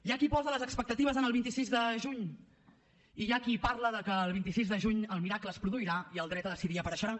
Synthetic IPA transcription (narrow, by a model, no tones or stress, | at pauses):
ʒakipɔzələzəkspək̚t̪ət̪iβəzənəlˠβint̪isizðəʒuɲ | iʒakipaɾləðəkəːlˠβint̪isizðəʒuɲəlˠmiɾakləːspɾuðuiɾaiəlˠd̪ɾɛt̪əðəsiðiəpəɾəʃəɾa